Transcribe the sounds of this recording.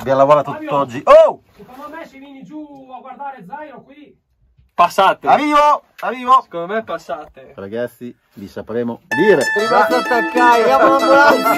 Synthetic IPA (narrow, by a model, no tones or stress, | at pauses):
bjalavɔlat̪ut̪ːɔd͡ʒːiʔo | kond̪iɡwad̪ai | pasːaːt̪eaɾiːvoariːvose̥konmepːasːaːt̪eɾaɡat̪sːi | visapɾɛːmod̪iːɾeɾimast̪ast̪akːajjaonamoɾat̪a